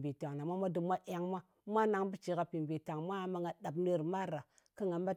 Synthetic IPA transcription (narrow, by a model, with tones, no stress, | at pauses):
bi˨ta˨ŋna˨mʷa˦mʷa˦du˨mʷa˦ʔa˨ŋma˦ | mʷa˦na˨ŋbu˦t͡ʃi˨ka˨pi˨mbi˨ta˨ŋmʷa˦ma˦ŋɡa˨ɗa˨bnə˦ɾma˦a˨ | ka˦ŋa˨m˦ba˦